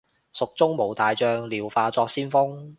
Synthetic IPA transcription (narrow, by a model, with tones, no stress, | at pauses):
sʊ˨k̚t͡sʊ˥ŋmo˨˧wt̪aː˨jt͡ʃœː˧ŋliː˨˩wfaː˧t͡sɔː˧k̚siː˥nfʊ˥ŋ